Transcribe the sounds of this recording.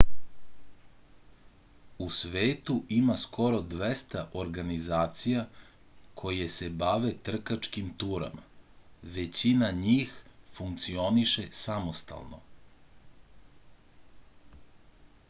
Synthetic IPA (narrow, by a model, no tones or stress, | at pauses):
usʋeːt̪uʔimaskʰo̞ɾo̞d̪ʋest̪aʔoɾɡanizaːt̪sija | kʰo̞jese̞baʋe̞t̪r̩kat͡ʃkimt̪uɾa̰maʋe̞t͡ɕinaɲiːxfuŋkt̪sio̞niʃe̞samo̞st̪a̰lˠno̰